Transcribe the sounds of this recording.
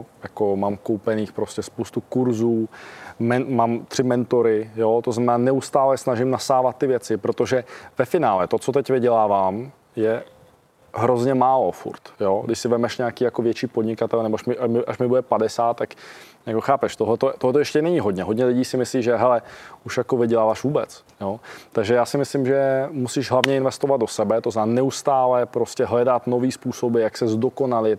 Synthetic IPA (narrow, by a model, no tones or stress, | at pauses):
jakomaːmkowpɛniːxpɾo̞scɛspowst̪ukuɾzuːmɛnmaːmt̪r̥ɪmɛnt̪o̞ɾɪjot̪oznamɛnaːnɛust̪aːlɛsnaʒɪmnasaːvat̪̚ːɪvjɛt͡sɪpɾot̪o̞ʒɛvɛfɪnaːlɛt̪o̞t͡sot̪̬ɛcvɪɟɛlaːvaːm | jɛ | ɦɾo̞zɲɛmaːlo̞fṵɾt̪joɡdɪʃsɪvɛmɛʃɲɛakiːjako̞vjɛt͡ʃiːpodɲɪkat̪ɛlnɛboaʃmɪʔamɪʔaʃmɪbudɛpadɛsaːt̪ːak | jakoxaːpɛʃt̪oɦlɛt̪ot̪oɦlɛt̪ojɛʃcɛnɛɲɪɦod̪ɲɛɦodɲɛlɪɟiːsɪmɪsliːʒɛɦɛlɛʔuʃjakovɪɟɛlaːvaʃvuːbɛt͡s | jot̪aɡʒɛjaːsɪmɪslɪmʒɛmusiʒɦlˠavɲɛɪnvɛst̪ovad̪̚dosɛbɛt̪ozaːnɛust̪aːlɛpɾo̞scɛɦlɛdat̪noviːspuːsobɪjaksɛzdokonalɪt̪